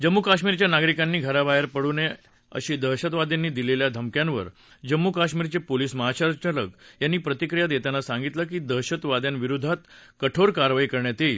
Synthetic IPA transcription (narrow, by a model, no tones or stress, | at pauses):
d͡ʑəmːukaɕmiɾt͡ɕjanaɡɾikanːiːɡʱəɾabaɦəɾpəɽune | ə̰ɕiːd̪əɕət̪ʋad̪janːiːd̪ileljad̪ʱəmkjãnʋə̰ɾ | d͡ʑəmːukaɕmiɾt͡sepoliːsməɦat͡ɕaɾt͡ɕaləkjanːiːpɾət̪ikɾijad̪jet̪janasãŋɡit̪ləkiːd̪əɦɕət̪ʋad̪janʋiɾud̪ʱat̪kəʈʰoɾkaɾʋaikəɾɳjat̪i